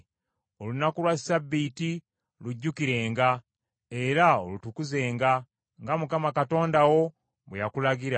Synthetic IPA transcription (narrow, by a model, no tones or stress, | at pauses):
o̞lunakulwasabːiti | luɟːukiɾe̞ːŋɡa | e̞ɾaolutukuze̞ːŋɡa | ŋɡamukamakato̞ːndawo̞ | βwejakulaɡiɾa